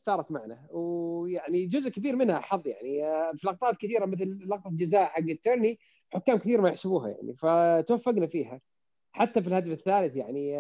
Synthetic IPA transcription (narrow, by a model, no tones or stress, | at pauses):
sɑːɾˤɑkmaʕnawjaʕnid͡ʒʊzʔkabiːɾmɪnhaħɑðˤːja̰ʕnifilɑqt̪ˤɑːt̪kɪθiːɾamɪθllɑqt̪ˤɑd͡ʒazaːʔħaɡːɪt̪ːʊɾˤni | ħʊkːaːmkɪθiːɾmajɪħsɪbuːha̰ja̰ʕnḭfat̪wafːaɡnafiːɦa | ħat̪ːafilhad̪afɪθːaːlɪθjaʕni